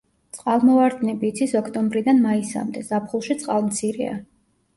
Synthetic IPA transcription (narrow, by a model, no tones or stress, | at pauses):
t̪sʼqʼalˠmɔvaɾd̪nɛbiːt̪sʰisɔkʰt̪ʼɔmbɾid̪anmaisa̰md̪ɛzapʰχulˠʃit̪sʼqʼalˠmt̪sʰiɾɛ̰a̰